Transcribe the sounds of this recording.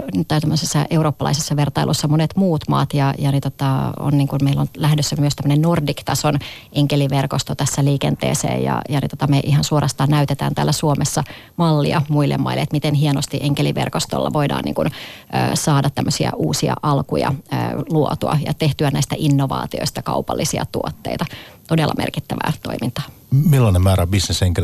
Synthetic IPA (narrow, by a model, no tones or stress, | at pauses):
nyt̪ːæt̪æmːøsesːɑʔe̞uwroːpːɑlɑ̰isesːɑʋert̪ɑilʔosːɑmonet̪muːt̪mɑ̰ːt̪jɑjɑnit̪ot̪ɑo̰nniːŋkunmeilːonlæhdøsːæmyøst̪æmːənennordikt̪ɑson | eŋkeliʋerkost̪ot̪æsːæliːkent̪ḛːsḛːjɑ̰jɑnḭt̪ot̪ɑmeʔiɦɑnsuoɾʔɑst̪ɑːnnæyt̪et̪æ̰ːnt̪æːlːæsuomesːɑ | mɑlːḭɑmuilːḛmːmɑ̰ilːḛet̪mit̪enhienost̪iʔeŋkeliʋḛrkost̪o̰lːɑʋoidɑ̰ːnḭːŋkun | ø̰ːsɑːdɑt̪ːæmːøsiæ̰ʔuːsiɑ̰ʔɑlkujɑ̰əːluot̪uɑ̰jɑ̰t̪eht̪yænæist̪æʔinːoʋɑ̰ːt̪io̰ist̪ɑkɑupɑlːisiɑ̰t̪uot̪ːeit̪ɑt̪odelːɑ̰mḛrkit̪ːæʋæ̰ːt̪o̞̰imint̪ɑ̥ː | milːɑnemmæːɾæbisneseŋkel